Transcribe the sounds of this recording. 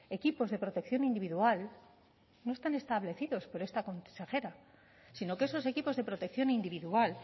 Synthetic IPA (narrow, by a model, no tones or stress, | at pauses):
e̞kipo̞zðe̞pɾo̞t̪e̞kθjo̞nind̪iβiðual | no̞e̞st̪ane̞st̪aβle̞θiðo̞spo̞ɾe̞st̪ako̞nse̞xe̞ɾa | sino̞ke̞so̞s̬e̞kipo̞zðe̞pɾo̞t̪ek̚θjo̞nind̪iβiðual